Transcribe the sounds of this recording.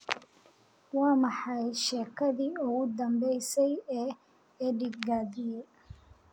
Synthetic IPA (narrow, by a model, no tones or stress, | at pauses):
wɑːmɑħɑjʃɛːkʰɐðiːʊɣʊd̪ɐmbɛjsɛjɛː | ɛːɖɪɡɡaːðɪjɛ